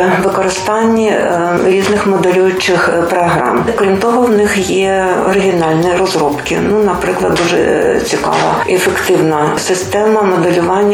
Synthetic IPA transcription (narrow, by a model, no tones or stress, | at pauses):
ʋɪkɔɾɪst̪ɑnʲːi | ɾʲiznɪxmɔd̪elʲujʊt͡ʃɪxpɾɔɦɾɑ̰mkɾʲimt̪ɔɦɔwnɪxjɛɔɾɪɦʲinɑlʲniɾɔzɾɔpkɪ̰nunɐpɾɪklˠɐd̪̚d̪uʒɛ̰t͡sʲikɑ̰ʋɐ̰efekt̪ɪwnɐsɪst̪ɛmɐmɔd̪elʲʊʋɑnʲːɐ